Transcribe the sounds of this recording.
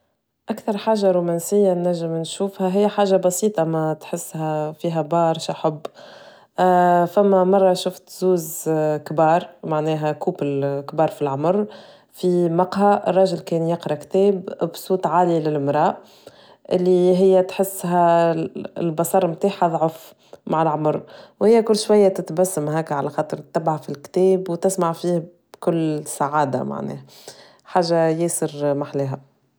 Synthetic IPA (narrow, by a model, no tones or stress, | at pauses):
ʔækθɑɾˤħaːʒaɾuːmɛːnsɪjːanːæʒːɪmnʃuːfhæɦɪjːħaːʒabɑsiːt̪ˤɑmæt̪ħɪsːhæfiːɦæbɑːɾˤʃaħʊbː | fæmːæmɑrˤːɑʃʊft̪zuːzkbɑːɾˤmaʕnɛːɦɛkuːblkbɑːɾˤfilʕʊmɾ | fimɑqhaʔrˤːɑʒɪlkɛːnjɪqɾˤɑkt̪ɛːbbsˤuːt̪ˤʕaːlilɪlmɾˤɑːʔ | ʔɪlːiɦɪjːæt̪ħɪsːɦæ̰ | lbɑsˤɑɾˤmt̪aːħðˤʕʊf | maʕɪlʕʊmʊɾwhɪjːækʊlːʃwæjːæt̪ɪt̪bæsːamɦɛːkʕalæxɑːt̪ˤɨɾt̪ɪbʕafɪlkt̪ɛːbwt̪ɪsmaʕfiːh | b̥kʊlːsaʕaːd̪a̰ma̰ʕnɛ̰ːhæ | ħaːʒːajeːsɪɾmaħleːɦæ